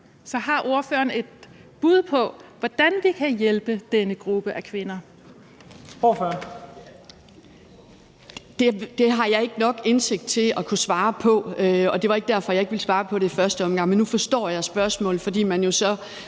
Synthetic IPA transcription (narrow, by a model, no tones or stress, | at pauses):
sɒ̽ɦɑ̈ʔo̝ɐfø̰ɐne̝d̥b̥uð̞ˠpʰɒ̽ʋɒd̥ænʋikʰæjelb̥əd̥enəɡ̥ʁub̥əʔækʰʋe̝nɐ | oføɐn | d̥e̝d̥e̝ɦɑ̈jɑ̈ɪe̝ɡ̥ənɒ̽ɡ̥e̝nse̝ɡ̥̚d̥t͡sʰe̝lɒ̽kʰusʋɑ̈ːpʰɒ̽øɒ̽d̥e̝ʋɑ̈e̝ɡ̥̚d̥æɐfɒ̽jɑ̈e̝ɡ̥ʋilsʋɑ̈ːpʰɒ̽ɾe̝ifɶɐsd̥əɒ̽mɡ̥ɑ̈ŋ̰menːufɒ̽sd̥ɒ̰ːjɑ̈ɪsb̥ɶɐsmɔ̰̽ːlð̩ˠfɒ̽d̥ḭːmænjo̝sɒ̽